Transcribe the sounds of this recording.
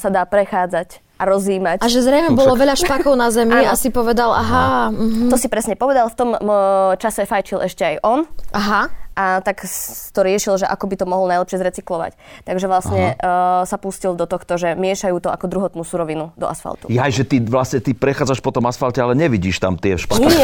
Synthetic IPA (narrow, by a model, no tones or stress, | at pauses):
sad̪aːpɾɛxaːd͡zac | ʔaɾɔziːmacaʒɛzɾɛjmɛbɔlɔʋɛʎaʃpakɔʊnazɛmiasipɔʋɛd̪alaɦam̩ɦt̪ɔsipɾɛsɲɛpɔʋɛd̪alft̪ɔmt͡ʃasɛfajt͡ʃilʔɛʃcɛajʔɔnʔaɦaʔat̪akt̪ɔɾɪɛʃilʒɛʔa̰kɔbit̪ɔmɔɦlɔnajlɛpʃɪɛzɾɛt͡siklɔʋa̰ct̪aɡʒɛʋlasɲɛsapuscild̪ɔt̪ɔxt̪ɔʒɛmɪɛʃajuːt̪ɔʔakɔd̪ɾuɦɔt̪nuːsuɾɔʋinud̪ɔ̰ʔa̰sfa̰lt̪ṵjajʒɛt̪iʋlasɲɛt̪ipɾɛxaːd͡zaʃpɔt̪ɔmasfalcɛalɛɲɛʋiɟiːʃt̪a̰mt̪ɪɛfʃpa